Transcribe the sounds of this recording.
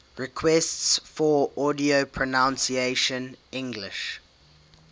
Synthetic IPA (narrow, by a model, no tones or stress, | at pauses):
ɹɪkʰwɛstsfɔɔdiopʰɹɔnãʊ̃nsieʃə̃nɪ̃ŋɡlɪʃ